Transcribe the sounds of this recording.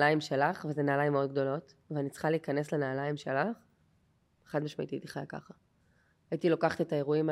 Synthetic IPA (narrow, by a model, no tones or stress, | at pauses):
laimʃe̞laχvezenaːlajimeo̞d̚ɡ̚d̪o̞lo̞tvanit͡sχaliːkane̞slenaːlaimʃe̞laχ | eχadmaʃmaʔḭt̪iait̪iχajaka̰χa | aitilo̞kaχte̞t̪ae̞ʁuima